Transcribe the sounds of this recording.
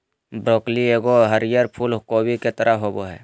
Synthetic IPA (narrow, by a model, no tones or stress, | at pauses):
bɾoːklieːɡoɦəɾɪjəɾpʰuːlkoːbiket̪əɾʔəɦoːboɦɛ̰ː